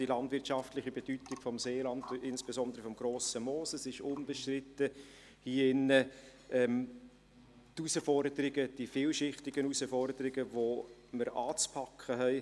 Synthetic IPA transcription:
d̥ilɑndvɪtʃɑftlɪχibed̥ytɪɡ̥fɔmseːlɑndɪnsb̥ezɔndəɾəfɔmɡ̥ɾoːsəmoːsəsɪʃʊnb̥əʃtrɪtːə | hiːɪnːə | ʔɛm | tusəfɔɾd̥əɾɪɡəd̥ifɪːlʃɪχtɪɡ̥ənusəfɔrdəɾɪɡəvoməɾʔɑːt͡spʰɑkʰχəɦɛɪ

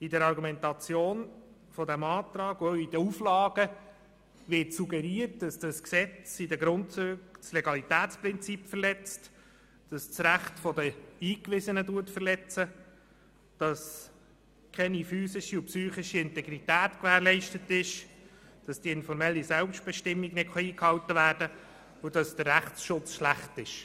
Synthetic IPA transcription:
idɛɾɑɾɡumɛntɑt͡sjoːn | fɔdæmɑːt̪ɾɑːɡuœidəuflɑːɡ̥ə | ʋɪtsuɡɛɾiət̚d̥ɑsd̥ɑsksɛt͡sidəɡɾʊntt͡søkt͡slɛɡɑlitæːt͡spɾɪnt͡sipfərlɛt͡st | d̥ɑst͡sɾæχtfɔdəiːkʋɪzənəduətfərlɛt͡sə | d̥ɑs | kʰɛnifyːsɪʃiupsyːχɪʃiɪntɛɡɾitæːtkvæːɾlɛɪʃtətɪʃd̥ɑsd̥iɪnfɔɾmɛlːisɛlpʃt̚b̥ɛʃtɪmːiɡnɪtχɑiːkhɑwtəvæːɾd̥ə | ʊd̥ɑsd̥ərːæχsʃʊt͡sʃlæχtɪʃ

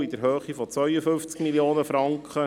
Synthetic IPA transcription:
id̪əɾɦøːχifɔt͡svœʏəfʏft͡skmiljoːnəfɾɑŋkχə

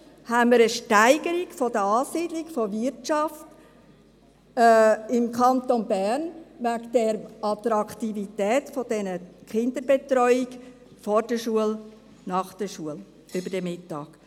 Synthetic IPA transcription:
hænmiɾəʃtæɪɡ̥əɾiɡfodəɑːsiːdlɪɡfovɪɾtt͡ʃɑft | ɪmkʰɑnt̪onbæɾnvæɡd̥ɛɾɑt̪ɾɑkt̪ivitɛːtfɔd̥ɛnəkʰɪnd̪əɾbetɾɔʏɪɡ | fɔːɾd̥əʃuəl | nɑχd̥əʃuəl | ʏbəɾd̥ɛmɪtːɑːɡ

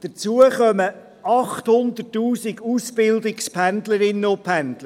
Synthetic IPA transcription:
d̥ət͡suəχœmə | ɑχt̪hʊnd̪ətːuːsiɡusbɪld̪ɪkspʰænd̪ləɾɪnːəʊpʰænd̪lə

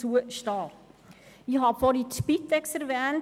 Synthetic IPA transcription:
uəʃtɑː | ihɑfɔɾiʃpit̪ɛksɛɾvɛːn

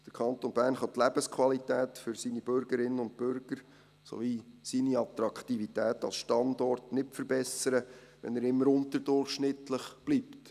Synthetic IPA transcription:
d̥əɾkʰɑnt̪onbæːɾnχɑt̪læb̥əskʰwɑlitɛːtfʏɾsiːnib̥ʏɾɡ̥əɾɪnənʊnt̚pʏɾɡ̥əɾ | so̰visiːniɑt̪ɾɑkʰt̪ivitæːtɑ̰lsʃtɑnd̪ɔrtnɪtfəɾbɛsəɾə | ʋɛ̰næɾɪmːəɾʊntəɾdʊrχʃnɪtləχb̥liːpt

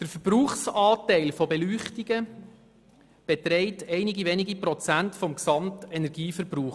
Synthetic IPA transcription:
d̥əɾfəɾb̥ruːχsɑːtɛɪlfɔbelyːχtiɡə | b̥ɛtɾɛɪtɛɪniɡiʋeniɡiprɔt͡sæntfɔmksɑmtɛnɛɾɡiːfəɾbruːχ

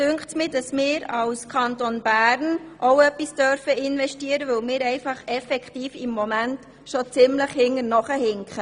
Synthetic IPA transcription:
d̥ʏŋktsmɪːd̥ɑsmɪːɾɑwskʰɑntonb̥æːɾnʔoʊœpːisd̥œɾfəɪnʋɛʃtiːəɾəʋɵwmɪːɾɛɪfɑχɛfɛkχtiːfɪmːomænt | ʃot͡sɪmləχhɪŋːənɔχəhɪŋkχə

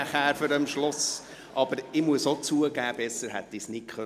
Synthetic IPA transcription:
æχæːɾføɾəmʃlɔs | ʔɑb̥əɾɪmuəsot͡suəɡæːb̥ɛsəɾɦæt̪ːɪsnɪkχœ

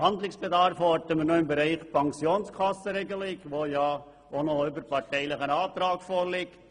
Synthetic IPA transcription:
hɑnd̪lɪksb̥edɑɾfɔtəmənoɪmbɛɾæɪχpʰɑŋksjoːnskʰɑsəɾeɡəlɪɡʋojɑ | ʔonoybəɾpɑɾtɛɪlɪχənɑːt̪ɾɑːkfoːɾlɪkt

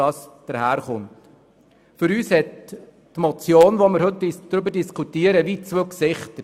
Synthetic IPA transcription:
ɑːsd̥əɾhæːɾχʊnt | fʏɾyːshɛt | tmɔt͡sjoːnʋomɪɾɦɵtid̥̪ɾʏbəɾdiskʰutiːəɾəʋit͡sʋøksɪχtə

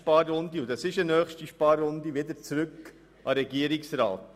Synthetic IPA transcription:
pɑːɾːʊnd̪iʊdɑsɪʃənœːχʃtiʃpɑːɾːʊnd̪iʋɪdəɾt͡sɾʉk | ʔɑɾɛɡiəɾɪksɾɑ̰ːt

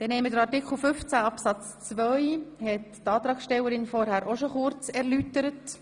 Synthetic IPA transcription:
d̥ɛnhɛmədəɾɑrtikχl̩fʏft͡sæɑpsɑt͡st͡svœʏhɛttɑːt̪ɾɑːksʃtɛwəɾɪnfɔɾhæɾʔoʃoχʊɾt͡sɛɾlytəɾət

